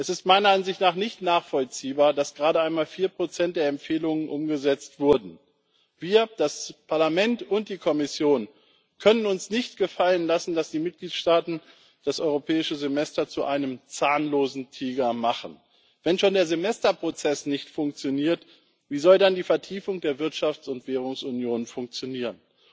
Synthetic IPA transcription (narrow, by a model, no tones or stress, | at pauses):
ʔɛsɪstmaɪnɐanzɪçtnaːχnɪçtnaːχfɔlt͡siːbaːɐdasɡ̥ʁaːɾəaɪnmaːlfiːɐpʁ̥ot͡sɛnt̚d̥eːɐɛmpfeːlʊŋənʔʊmɡəzɛt͡stv̥ʊɐdn̩ | v̥iːɐd̥aspʰaɐlamɛntʊnt̚d̥iːkʰɔmɪsjoːn | kʰœnənʊnsnɪçt̚ɡ̥əfalənlasn̩dasd̥iːmɪt̚ɡ̥liːtʃtaːtn̩ | d̥asʔɔʏʁopʰɛːɪʃəzemɛstɐt͡suʔaɪnəmt͡saːnloːzn̩tʰiːɡɐmaχən̩ | vɛnʃoːndeːɐzemɛstɐpʁ̥ot͡sɛsnɪçtfʊŋk̚t͡sjoniːɐt | viːzɔldandiːfɛɐtʰiːfʊŋdeːɐvɪɐtʃaft͡sʊntv̥ɛːʁ̞ʊŋsʊnjoːnfʊŋk̚t͡sjoniːʁ̞ən